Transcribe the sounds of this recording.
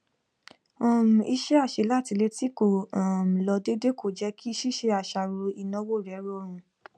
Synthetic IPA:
ɔ̃˨m̩̃˨i˧˦ʃɛ˦a˦˨ʃe˨˦la˦˨ti˨˧le˧ti˦ko˨ɔ̃˨m̩˨lɔ˧de˦de˦kʰo˦˨d͡ʒɛ˨˦kʰi˦ʃi˦ʃe˧˦a˨ʃa˧˨ɾo˧i˧nɔ̃˧˦wo˦˨ɾɛ˨˦ɾo˦˨ɾ̃ũ˧

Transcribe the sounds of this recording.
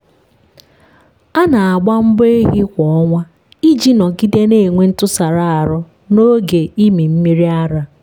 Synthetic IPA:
a˦na˨a˨ɡ͡ba˦m̩˦be˦ɦi˦kʷɔ˨ɔ˦ŋʷa˦ | i˦d͡ʒi˦nɔ˨ɡi˦de˦ne˦˨ŋʷe˦n̩˦tʊ˦sa˨ɾa˦a˨ɾʊ˦ | no˦ɡe˨i˦mi˨m̩˦mi˦ɾi˦a˦ɾa˦

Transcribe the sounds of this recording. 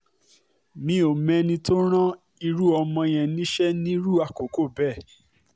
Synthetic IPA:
mĩ˧o˨mɛ̃˧nĩ˧to˦ɾ̃ã˦ | i˧ɾu˦ɔ˧mɔ̃˧j̃ɛ̃˨nĩ˦ʃɛ˦nĩ˦ɾu˦a˨ko˨ko˦˨bɛ˦˨

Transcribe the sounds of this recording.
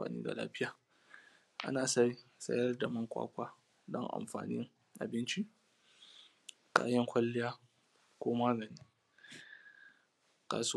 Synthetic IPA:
a̰ː˨nḭː˦ɡa̰˨la̰ː˦ɸɪ˦jaː˨ | ʔa̰˦naː˨sa˦jsɐ̰˦jɐ˦rda˨mɐ˦ŋkʷʼa̰ː˦kʷaː˦ | dɔ˦ŋʔa̰˨mɸa̰ː˨nɪ̰˦ŋ | ʔa˨bɪ˦nt͡ʃi˦ʔ | kʼa̰ː˦jɐ˦ŋkʷɐ˦lːɪ˦jaː˦ | kʷoː˦maː˦ɡɐ˨niː˦ | ka̰ː˨su˦

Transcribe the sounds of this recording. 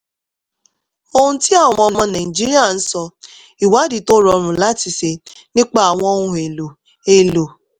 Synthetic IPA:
o˦hũ˦ti˦a˦˨w̃ɔ̃˦ɔ˧˦˨mɔ̃˧˦na˨i˨d͡ʒi˦ɾi˦a˦˨n̩˦sɔ˧ | i˨wa˨˦di˨to˦ɾɔ˧ɾʊ̃˨la˦ti˨se˧ | nɪ̃˦k͡pa˦˨a˨w̃ɔ̃˦ũ˦˨e˨lo˨ | e˨lo˨

